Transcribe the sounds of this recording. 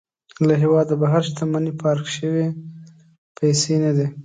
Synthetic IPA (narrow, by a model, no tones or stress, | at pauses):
laɦewɑd̪abaɦaɾʃt̪amanipʰɑɾkʃəwe | pʰajsenad̪i